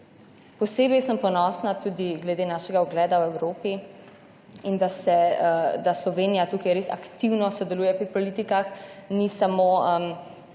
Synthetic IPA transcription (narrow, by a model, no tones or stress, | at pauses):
pɔseːbɛjsəmpɔnɔsnat̪ud̪iɡlɛd̪eːnaːʃɛɡaɔɡlɛːd̪awɛwɾoːpi | ind̪asɛd̪aslɔʋeːnijat̪uːkajɾesa̰kt̪iwnɔsɔd̪ɛluːjɛpɾipɔlit̪ikaxnisamoəm